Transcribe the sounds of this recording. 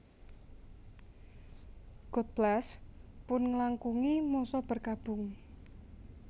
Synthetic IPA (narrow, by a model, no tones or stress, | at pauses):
ɡ̥ɔt̪̚b̥laspʊnŋəlaŋkuŋimɔsɔb̥ə̤rkab̥ʊ̤ŋ